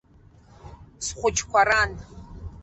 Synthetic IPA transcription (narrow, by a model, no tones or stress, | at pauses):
sχʷʊt͡ʃʰʼkʷʰaɾan